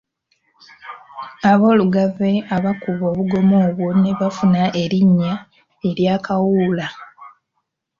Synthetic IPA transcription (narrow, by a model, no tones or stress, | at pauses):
aβo̞ːluɡave̞aβakuβo̞ːβuɡo̞mo̞ːβwone̞βafunaʔe̞ɾiɲːa | e̞ɾjaːkawula